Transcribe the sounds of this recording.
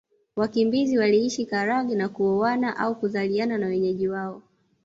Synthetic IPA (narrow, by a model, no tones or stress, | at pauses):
wakimbiziwaliiʃikaɾaɡinakuɔwanaʔaukuzaliananawɛɲɛʄiwaɔ